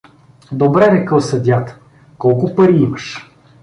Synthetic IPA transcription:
d̪obɾɛnɛkəlˠsɐd̪ʲjat̪ | kɔlˠkʊpɐɾiimɐʃ

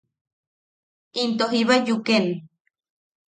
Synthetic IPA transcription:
int̪oɦiβajuken

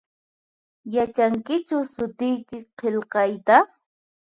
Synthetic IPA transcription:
jat͡ʃaŋkɪt͡ʃʊsʊt̪ɪjkɪqelqɑjt̪a

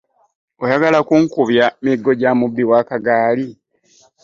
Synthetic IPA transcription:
ojaɡalakuŋkuβjamiɡːo̞ɟamubːiwaːkaɡaːli

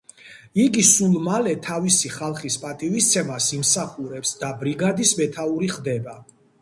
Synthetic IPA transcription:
iɡisulˠmalɛt̪ʰavisiχalˠχispʼat̪ʼivist̪sʰɛmasimsaχuɾɛpsd̪abɾiɡad̪ismɛt̪ʰauɾiχd̪ɛba

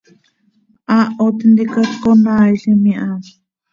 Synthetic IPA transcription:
ʔaot̪ind̪ikakonaːiɬimiʔa

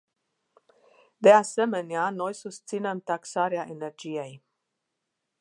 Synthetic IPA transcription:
d̪e̞ase̞me̞neano̞jsust̪sine̞mt̪aksaɾeaʔe̞ne̞rd͡ʒije̞j

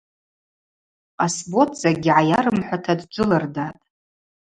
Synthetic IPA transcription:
qʼasbo̞tʰʼz̥aɡʲɪʕajaɾɨmħʷatʰadd͡ʒʷʼʊlardatʼ

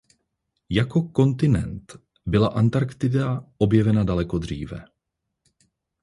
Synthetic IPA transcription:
jako̞ko̞nt̪ɪnɛ̰nt̪ | bɪlaʔant̪aɾkt̪ɪdao̞bjɛvɛnadalɛko̞d̪r̝iːvɛ̰

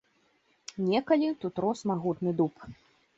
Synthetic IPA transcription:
nʲɛkɐlʲit̪ut̪ɾɔsmaɣut̪nɨd̪up

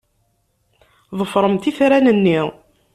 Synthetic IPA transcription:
ðˤəfɾˤəmt̪iθɾænənːiʁ

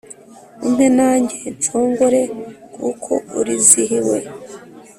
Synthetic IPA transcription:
un̥henaːɲɟet͡ʃoːŋɡoɾe̞kʰukʰo̞̰uɾiziɦiwḛ

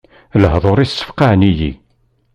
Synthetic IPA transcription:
ləhðˤoɾˤisːə̥fqaʕnijḭ

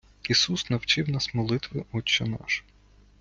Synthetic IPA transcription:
isusnɐwt͡ʃɪwnɑsmɔlˠɪt̪ʋɪɔt͡ʃːɔnɑ̰ʃ

